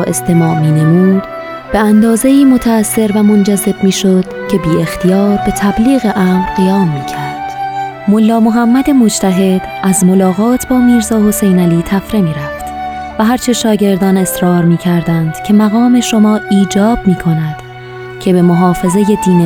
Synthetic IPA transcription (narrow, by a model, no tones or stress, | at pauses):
ʔe̞st̪ʰe̞mɒːʔmiːne̞muːd̪̥ | b̥e̞ænd̪ɒːze̞iːmo̞t̪ʰæːsːe̞ɾvæmo̞nd͡ʒæze̞b̚miːʃo̞d̪̥cʰe̞biːe̞xt̪ʰijɒːɾbe̞t̪ʰæbliːɣe̞ʔæːmɾɣijɒːmːiːcʰæɾd̪̥ | molːɒːmo̞ɦæmːæd̪e̞mo̞d͡ʒt̪ʰæɦe̞d̪ʔæzmo̞lɒːɣɒːt̪ʰbɒːmiːɾzɒːho̞se̞jnæliːt̪ʰæfɾe̞miːɾæft̪ | væɦæɾt͡ʃʰe̞ʃɒːɟe̞ɾd̪ɒːne̞sɾɒːɾmiːcʰæɾd̪ænd̪̥cʰe̞mæɣɒːme̞ʃo̞mɒːiːd͡ʒɒːb̥̚miːkʰo̞næd̪̥ | cʰe̞be̞mo̞ɦɒːfe̞ze̞je̞d̪iːn